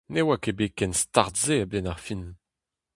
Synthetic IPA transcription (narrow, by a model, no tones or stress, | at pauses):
newakebekɛnstaʁtzeabɛnaʁfin